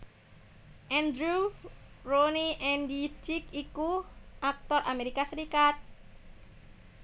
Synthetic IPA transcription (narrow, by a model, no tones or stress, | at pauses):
ʔɛnd̪ɾu | roniʔɛndid͡ʒikikuʔak̚t̪ɔrʔameɾikasɾikat̪̚